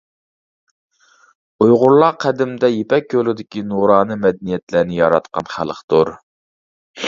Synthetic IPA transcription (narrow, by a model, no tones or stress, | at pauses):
ujʁʊɾlˠɑqʰæd̪ɪmd̪ɛjepɛk̚ʲʰːølɪd̪ɪkʲinuɾɑːnɨmɛd̪ɛnijɛt̪læɾnɪjɑ̰ɾɑ̰t̪qɑnχæ̰lˠəqt̪uɾ